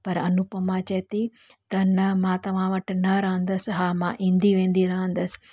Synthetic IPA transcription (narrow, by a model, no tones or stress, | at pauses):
pɐɾɐnupɐmãːt͡ʃɐt̪i | t̪ɐnɐmãːt̪ɐʋ̤ãːʋɐʈnɐɾɐɦə̃nd̪ɐsɦaːmãːʔĩːnd̪iʋẽːnd̪iɾɐɦə̃nd̪ɐs